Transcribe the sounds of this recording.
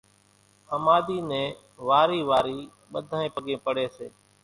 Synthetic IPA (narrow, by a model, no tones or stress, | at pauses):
əmaːd̪iːnẽː | ʋaːɾiːʋaːɾiː | ɓəd̪ʱãːẽːpəɠẽːpəɽeːsḛː